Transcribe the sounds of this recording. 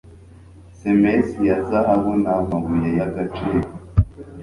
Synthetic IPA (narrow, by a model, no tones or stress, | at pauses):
semesijazaʔaβonamaɡujejaɡat͡ʃeːɾo